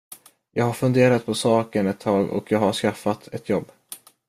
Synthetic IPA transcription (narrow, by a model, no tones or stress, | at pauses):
jɑːɡhaɾfɵnd̪eːɾat̪̚pʰɔsɑːkənɛt̪ʰːɑːɡɔ̰kʰjɑːɡhaʂkafːat̪ʰɛt̪ʰjɔbː